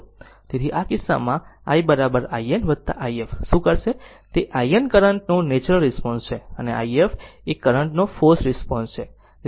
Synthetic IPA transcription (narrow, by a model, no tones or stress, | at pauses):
t̪et̪ʰiʔakɪsːa̰mãa̰ibəɾabəɾaienʋəd̪̚t̪a̰ʔaiefʃũkəɾʃe | t̪eʔaiənkəɾəɳʈnonet͡ʃɾəlɾɪspɔnst͡ʃʰeənea̰iefekːəɾəɳʈnofosɾɪspɔnst͡ʃʰe